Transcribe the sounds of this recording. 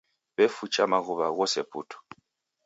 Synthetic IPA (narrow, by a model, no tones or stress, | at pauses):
bɛfut͡ʃʼamaɣuβaɣɔsɛpʰṵːtʰɔ̥